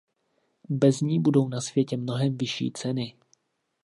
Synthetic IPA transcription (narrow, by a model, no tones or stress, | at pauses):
bɛzɲiːbudo̞wnasv̥jɛcɛmno̞ɦɛmvɪʃḭːt͡sɛnɪ